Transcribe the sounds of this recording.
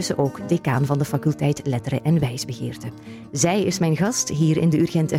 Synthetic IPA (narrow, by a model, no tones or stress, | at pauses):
səʔoːwkdekaːnvɑndəfakɵlˠtɛjtlɛtəɾəʔɛnʋɛjzbəɣɪ̰ːrtə | zɛjɪsmɛjnɣɑstɦiːɾɪ̰ndəyrɣɛntɛ